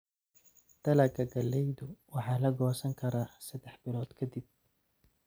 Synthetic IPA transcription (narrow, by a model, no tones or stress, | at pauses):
d̪̥ɐlɐɡɐɡɐlːɛjðʊwɑħɑːlɐɡɔːsɐŋkʰɐɾaːsɐd̪ɛħbɪlɔːd̪̥kʰɐd̪ɪb̚